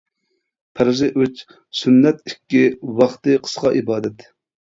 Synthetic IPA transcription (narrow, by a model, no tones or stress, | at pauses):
pʰæɾɪzɨʔøt͡ʃ | synːɛt̪ikʲːiwɑχt̪ɨqʰə̥sqɑʔibɑːd̪ɛt̪